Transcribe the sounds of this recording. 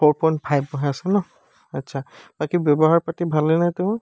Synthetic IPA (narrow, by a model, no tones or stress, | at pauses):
pɔɹpɔnpʰajbɔɦasɛnɔ | atːsʰab̥akibjɔbɔɦaɹpatibʱalenajtʊ